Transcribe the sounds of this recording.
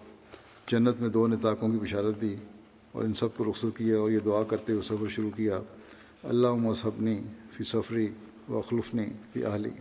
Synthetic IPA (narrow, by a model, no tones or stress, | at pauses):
d͡ʒɐnːət̪mẽd̪oːnɪt̪aːkõkibɪʃaːɾət̪̚d̪iː | ɔ̰ːɾɪnsɐb̚koɾʊxsət̪̚kijaɔːɾjed̪ʊaːkɐɾt̪eɦusɐfɾʃʊɾukijaː | ɐ̰lːaːɦʊmɐsɐbnifisɐfɾi | ʋɐ̰xlʊfnifḭːʔɐ̰ɦlḭː